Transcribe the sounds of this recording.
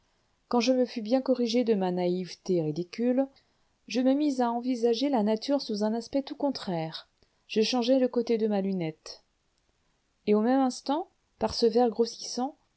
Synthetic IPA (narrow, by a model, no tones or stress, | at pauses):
kɑ̃ʒəməfybjɛ̃kɔʁiʒed̪əmanaivt̪eʁid̪ikʲyl | ʒəməmizaɑ̃vizaʒelanat̪yʁsuzɛ̃naspɛt̪ukɔ̃t̪χɛːʁ | ʒ̥əʃɑ̃ʒɛləkot̪ed̪əmalynɛt̪ | eomɛmɛ̃st̪ɑ̃ | paʁsəvɛʁɡʁosi̥sɑ̃